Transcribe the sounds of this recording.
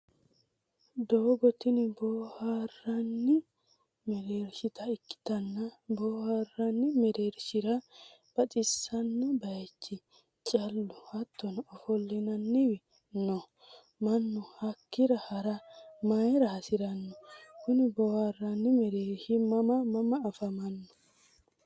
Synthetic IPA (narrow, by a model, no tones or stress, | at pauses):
d̪oːɡɔt̪ɪnɪboːharːɐnːɪ | mɛɾeːɾʃɪt̪ɐɪkːɪ̥t̪ɐnːɐboːharːɐnːɪmɛɾeːɾʃɪɾɐb̥ɐt̪ʼɪsːɐnːɔbɐjt͡ʃːɪ | t͡ʃʼɐlːʊhɐt̪ːɔnɔfɔlːɪnɐnːɪwɛ | nɔ | mɐnːɔhɐkːɪɾɐhɐɾɐmɐjɾɐhɐsɪɾɐnːɔkʊnɪbɔharːɐnːɪmɛɾeːɾʃimɐmɐmɐmɐːfɐmɐnːɔ̥